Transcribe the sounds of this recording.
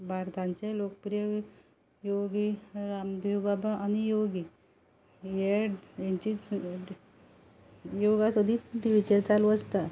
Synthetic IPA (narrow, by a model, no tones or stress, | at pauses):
bʱaɾt̪ãɲt͡ɕelokəpɾijə | joɡiɾamd̪ʱiwbabʱaʔanijoɡi | jejaɲt͡ɕit͡s | joɡasəd̪ʱiːt̪iʋit͡ɕeɾt͡salʋəd͡zt̪a